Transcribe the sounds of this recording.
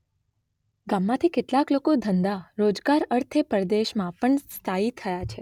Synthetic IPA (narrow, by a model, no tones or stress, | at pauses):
ɡamːãt̪ʰikeʈlaklokod̪ʱənd̪aɾod͡ʒɡaɾəɾt̪ʰepəɾd̪eʃmãpəɳst̪ʰait̪ʰəjat͡ʃʰe